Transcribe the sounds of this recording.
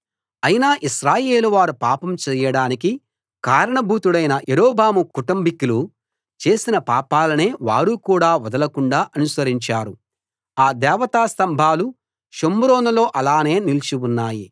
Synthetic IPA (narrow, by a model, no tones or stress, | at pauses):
ɐjinaːʔiʃɾaːje̞ːluʋaːɾupaːpɐmt͡ʃɛːjɐɽaːniki | kaːɾɐɳɐbʱuːt̪uɽɐjnɐjeɾoːbʱaːmukuʈumbikilu | t͡ʃe̞ːsinɐpaːpaːlɐne̞ːʋaːɾukuːɽaːʋɐd̪ɐlɐkuɳɖaːʔɐnusɐɾiɲt͡ʃaːɾu | aːd̪ɛːʋɐt̪aːst̪ɐmbʱaːlu | ʃomːuɾoːnɐlo̞ːʔɐlaːne̞ːnilt͡ʃiunːaːji